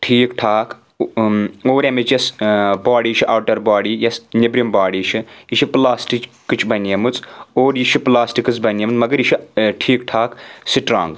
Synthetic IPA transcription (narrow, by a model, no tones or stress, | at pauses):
ʈʰiːkʈʰaːkʰ | oːɾemit͡ʃɐsbaːɽiːt͡ʃʰiʔaːʈɐɾbaːɽiːjɐsnibɾimbaːɽiːt͡ʃʰiiʃʰiplaːsʈikːɨt͡ʃʰbɐnɐmɨt͡soːɾjiʃʰiplaːsʈikɨt͡sbɐnjemɨt͡smɐɡɐɾjiʃʰiʈʰiːkʈʰaːksiʈɾa̰ːŋɡ